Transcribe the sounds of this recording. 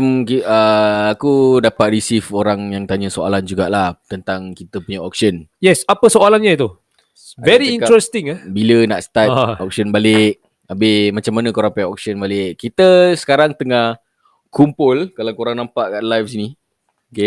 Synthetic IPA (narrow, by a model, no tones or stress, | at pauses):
mkiəakudapat̪̚risifoɾaŋjaŋt̪aɲəsoa̰land͡ʒuɡaʔlaht̪ənt̪aŋkit̪əpuɲaɔk̚sənjɛsapəsoalanɲat̪u | vɛɾiĩnkɾɛst̪iŋabilənaʔsə̥t̪atɔk̚sənbalɪʔ | abɪhmat͡ʃamːanəkoɾapajɔk̚sənbalɪʔkːit̪əsə̥kaɾaŋt̪əŋah | kumpʊlkalakoɾaŋnampaʔkaʔlajfsini | oke